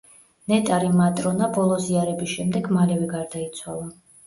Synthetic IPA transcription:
nɛt̪ʼaɾimat̪ʼɾɔnabɔlˠɔziaɾɛbisʃɛmd̪ɛɡmalɛvɛɡaɾd̪ait̪sʰwalˠa

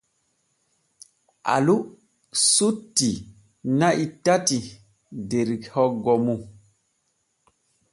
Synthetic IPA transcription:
ʔa̰lu | sutːi | naʔitati | deɾikhɔɡɔmu

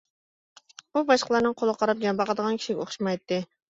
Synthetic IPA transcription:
bubɑʃqəlˠɑɾnɨŋqʰolˠəqʰɑɾɑp̚d͡ʒɑmbɑqəd̪əʁɑnkʲi̥ʃiɡʲɛoχʃmɑjt̪ːɨ

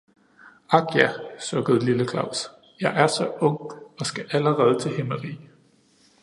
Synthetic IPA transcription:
ɑ̈ɡ̥jæsøɡ̥əð̞̩ˠliləkʰlɑ̈ʊ̰s | jɑ̈ɪʔæɐsɒ̽ɔ̽ŋ̰ɒ̽sɡ̥æʔæləʁɛːð̞ˠət͡sʰe̝heməʁḭː

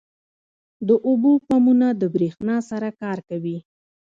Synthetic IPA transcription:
d̪əʔubopɑmunad̪əbɾexnɑsaɾakɑɾkawi

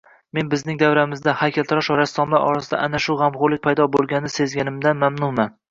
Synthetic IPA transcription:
me̞nbɪznɪŋd̪avɾamɪzd̪ahajkʲalt̪ɾɒʃɒɾast̪ɒmlaɾʔɒ̰ɾasɪd̪a̰ʔanaʃʊʁamχʊɾlɪk̚ʲpʰajd̪ɒbolˠɡʲanːɪse̞zɡʲanɪmd̪anmamnʊman

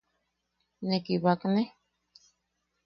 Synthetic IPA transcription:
nekiβakne

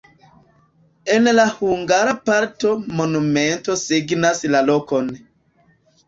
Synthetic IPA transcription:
e̞nlahuŋɡaɾapaɾto̞mo̞nume̞nto̞siɡnaslalo̞ko̞n

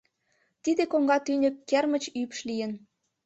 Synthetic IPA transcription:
t̪id̪ekoŋɡɑt̪ynʲə̆kːermə̆t͡ɕypʃlijə̆n

